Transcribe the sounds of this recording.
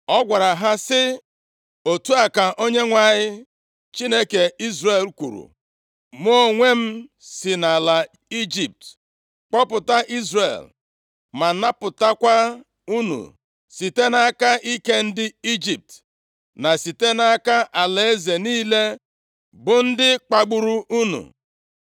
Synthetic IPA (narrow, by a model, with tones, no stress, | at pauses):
ɔ˦ɡʷa˨ɾa˨ɦa˦sɪ˦ | o˨tu˦a˨ka˨ʔo˦ɲe˦ŋʷa˨ɲɪ˦ | t͡ʃi˦ne˦ke˨i˦zre˨lkʷṵ˨ɾṵ˨ | m˦o˦o˦˨ŋʷe˦m̩˦ | sɪ˨na˨la˨ | i˦d͡ʒi˨p̚t | k͡pɔ˦pʊ˨ta˦ʔi˦zre˨l | ma˨na˦pʊ˨ta˦kʷa˦ | u˦nṵ˨ | si˨te˦na˦ka˦ʔi˦ke˦n̩˦dɪ˦i˦d͡ʒi˨p̚t | na˨si˨te˦na˦ka˦ʔa˨le˦ze˨niː˦le˦ | bʊ˨n̩˦dɪ˦k͡pa˨ɡ͡bu˨ɾu˦ʔu˦nṵ˨